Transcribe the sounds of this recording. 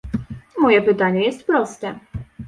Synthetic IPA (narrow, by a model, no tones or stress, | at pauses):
mɔjɛpɘt̪aɲɛjɛst̪pɾɔst̪ɛ